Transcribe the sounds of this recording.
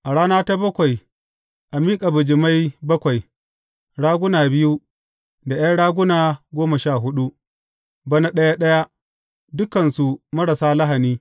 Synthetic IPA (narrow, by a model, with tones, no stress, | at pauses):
ʔa˨ɽaː˦naː˦ta˦bɐ˦kʷa˨j | ʔa˨miː˦kʼa˨bʊ˨d͡ʒɪ˨ma˦jbɐ˦kʷa˨j | ɽaː˦ɡʷʊ˦naː˨bɪ˦ju˦ | da˨j̰a˦ɽaː˦ɡʷʊ˦naː˨ɡʷoː˦mɐ˨ʃaː˦˨ɦʊ˦ɗu˦ | bɐ˦na˦ɗɐ˦ja˦ɗɐ˦ja˦ | dʊ˦kɐ˨nsu˨mɐ˦ɽɐ˨saː˦lɐ˦ɦa˨niː˦